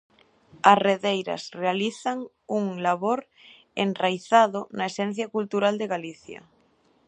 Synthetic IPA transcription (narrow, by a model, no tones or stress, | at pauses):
asreðejɾa̰srealiθaŋ | uŋlaβoɾ | enrajθaðonaesen̟θjakult̪uɾald̪eɣaliθja̰